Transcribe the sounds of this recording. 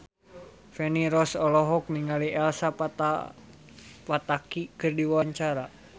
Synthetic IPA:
fɛniɾɔsɔlɔɦɔk̚niŋaliʔɛlsa | pat̪akikɨrdiwawaɲt͡ʃaɾa

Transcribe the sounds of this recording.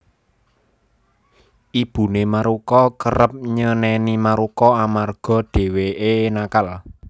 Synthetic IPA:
ʔib̥ṳnemaɾukɔkəɾəp̚ɲənɛnimaɾukɔamarɡ̥ɔ̤d̥e̤weenakal

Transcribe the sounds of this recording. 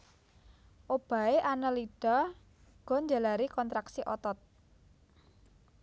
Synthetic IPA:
ʔob̥a̤eʔanəliɖ̥a̤ | ɡ̥ɔ̤ɲd͡ʒa̤laɾikɔnt̪ɾaksiʔɔt̪ɔt̪̚

